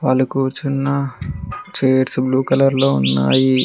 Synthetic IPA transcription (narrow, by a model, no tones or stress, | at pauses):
ʋaːlːukut͡ʃinːɐ | t͡ʃeːɾsbluːkɐlɐɾlo̞ːunːa̰ːji